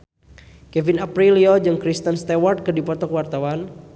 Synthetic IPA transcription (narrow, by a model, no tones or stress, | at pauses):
kɛvinapɾiliɔd͡ʒɨŋkɾist̪ənst̪award̪̚kɨdipɔt̪ɔkwart̪awan